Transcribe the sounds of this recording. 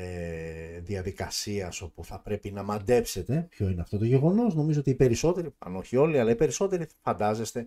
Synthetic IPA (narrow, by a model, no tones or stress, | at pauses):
eðiɐðikɐsiɐso̞puθɐpɾe̞pinɐmɐnd̪e̞pse̞t̪e̞pço̞ineɐft̪o̞t̪o̞ʝe̞ɣo̞no̞sno̞mizoo̞t̪iːpe̞ɾiso̞t̪e̞ɾiɐ̰no̞çio̞liɐlɐipe̞ɾiso̞t̪e̞ɾifɐnd̪ɐze̞st̪e̞